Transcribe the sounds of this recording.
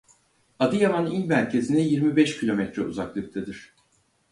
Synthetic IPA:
ad̪ɯjamaninmæɾcʰe̞zinɛjiɾmibɛʃcʰilʲo̞mɛt̪ɾɛṵzaklˠɯk̚t̪ʰad̪iɾ̥

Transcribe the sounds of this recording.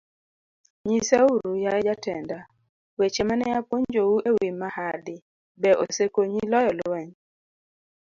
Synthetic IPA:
ɲisauɾujad͡ʒatɛnda | wet͡ʃemanɛjapwoɲd͡ʒowuewimːahadɪ | bɛʔosekoɲilɔjɔlowɛɲ

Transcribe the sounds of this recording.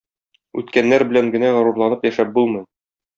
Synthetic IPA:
ʉ̰t̪kænːæɾbɘ̆læŋɡɘ̆næʁæ̆ɾuɾlˠɑnɤpjæʃæp̚bulˠmɤ̆j

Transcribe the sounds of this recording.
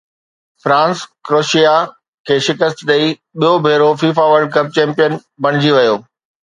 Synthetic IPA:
fɾãːnskɾoːʃija | kʰeːʃɪkəst̪ɗ̪ɐi | ɓijobʱeːɾofiːfaʋəɾɖ̚kɐp̚t͡ɕɛ̃ːmpijən | bʱɐɽ̃ɪd͡ʑiʋɐjoː

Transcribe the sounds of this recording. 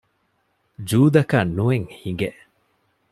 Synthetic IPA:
d͡ʒuːd̪ɐkɐnːueŋhiŋɡeʔ

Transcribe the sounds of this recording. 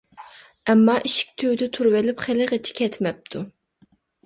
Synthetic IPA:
ɛmːɑʔiʃi̥k̚ʲt̪ʰøwd̪ɪt̪ʰuɾwɪlɪpχɪlɪʁət͡ʃʰi̥kʲʰɛt̪ʰmɛp̚t̪ʰu

